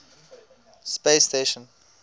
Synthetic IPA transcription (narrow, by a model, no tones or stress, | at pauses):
spesteʃə̃n